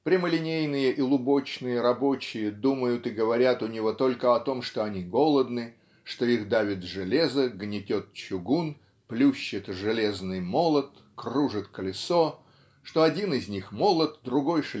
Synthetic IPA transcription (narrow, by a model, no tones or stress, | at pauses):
pɾʲɪməlʲɪnʲejnɨjəʔilˠʊbo̞t͡ɕnɨjəɾɐbo̞t͡ɕɪjəd̪uməjʊt̪ɨɡəvɐɾʲat̪ʊnʲɪvot̪o̞lʲkəɐt̪o̞mʂt̪o̞ɐnʲiɡo̞lˠəd̪nɨ | ʂt̪o̞ixd̪avʲɪt̪ʐɨlʲezəɡnʲɪtʲot̪̚t͡ɕʊɡun | plʲuɕːɪt̪ʐɨlʲeznɨjmo̞lˠət̪ | kruʐɨt̪kəlʲɪso | ʂt̪o̞ɐdʲinɪzʲnʲixmo̞lˠət̪̚d̪ɾʊɡo̞jʂ